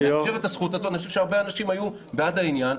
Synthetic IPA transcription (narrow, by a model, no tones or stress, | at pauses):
aʃeʁetasχutazoanixoʃevʃeaʁbe̞anaʃimaju | beadainjan